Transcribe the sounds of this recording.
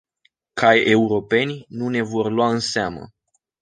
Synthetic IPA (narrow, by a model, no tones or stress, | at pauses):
kʰaje̞uɾo̞pe̞nʲnune̞vo̞rlwaɨnseamə̰